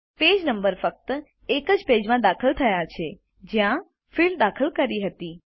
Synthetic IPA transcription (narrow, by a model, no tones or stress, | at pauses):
ped͡ʒnəmbəɾfək̚t̪ | ekəd͡ʒped͡ʒmãd̪akʰəlt̪ʰəjat͡ʃʰe | d͡ʒjã | fild̪akʰəlkəɾiɦət̪i